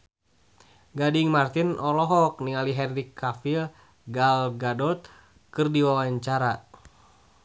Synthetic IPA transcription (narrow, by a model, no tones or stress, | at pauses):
ɡadiŋmart̪inɔlɔɦɔk̚niŋaliɦɛnrikʰːafil | ɡalɡadɔt̪̚ | kɨrdiwawaɲt͡ʃaɾa